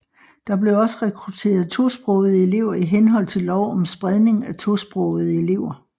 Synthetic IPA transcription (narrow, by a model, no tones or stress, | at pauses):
d̥ɑ̈b̥le̝ɒ̽səʁɛkʰʁut͡sʰe̝̰ːɐð̩ˠt͡sʰo̝sb̥ʁɔʊð̞̩ˠəe̝le̝ʊ̰ɐiɦenɦɒ̽l̰t͡sʰe̝lːɒʊɒ̽msb̥ʁɛð̞ˠne̝ŋæt͡sʰo̝sb̥ʁɔʊð̩ˠəe̝le̝ʊ̰ɐ